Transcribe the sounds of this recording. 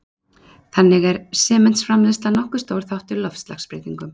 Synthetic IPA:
θanːɪɣɛɾsɛːmɛnsfɾamlɛst̪lanɔhkʏ̥st̪oːwɾ̥θawht̪ʏɾlɔfst̪la̰xspɾḛːjt̪iŋkʏm

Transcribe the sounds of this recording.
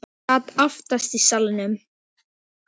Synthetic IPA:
at̪aft̪ast̪isalnʏm

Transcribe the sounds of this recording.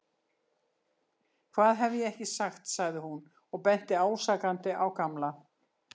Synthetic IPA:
kʰvaːðɦɛvɪjɛɛhcɪsaxt̪saɣðɪhun | ɔɣpɛn̥t̪ɪaːwsaːkant̪ɪʔawkamla

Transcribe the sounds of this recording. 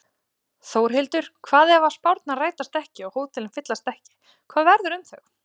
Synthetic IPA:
θoːwɾ̥ɦɪlt̪ʏɾ̥kʰvaːðɛvaspawɾt̪naraːjt̪ast̪ɛhcɪɔɣhoːðt̪ʰɪlɪmfɪt̪last̪ɛhcɪ̥ | kʰvaːðvɛɾðʏɾʏmθɛ̰x

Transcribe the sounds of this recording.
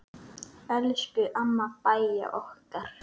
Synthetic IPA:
ɛlscʏʔamːapaja̰ʔɔhkaɾ̥

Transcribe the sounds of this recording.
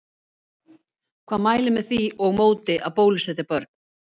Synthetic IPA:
kʰvaːðmaːjlɪmɛðθiɔɣmoːwt̪ɪʔaðpoːwlɪsɛt̪ɪpœɾt̪̚n̥

